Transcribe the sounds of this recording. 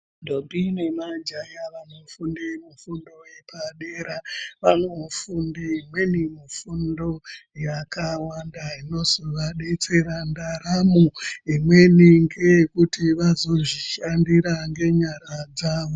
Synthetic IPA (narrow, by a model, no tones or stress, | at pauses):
ndobʱinemad͡ʒajaʋano̞fundemufundo̞je̞paɗe̞ɾaʋanofundiimwe̞nimufundo̞jakawandaino̞zoʋaɗe̞t͡se̞ɾandaɾamuimwe̞niŋɡe̞kutiʋazo̞ʐiʃandiɾaŋɡe̞ɲaɾad͡zaːʋo